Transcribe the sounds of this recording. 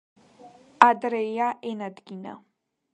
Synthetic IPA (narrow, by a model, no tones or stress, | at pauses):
ad̪ɾɛaʔɛnad̪ɡina̰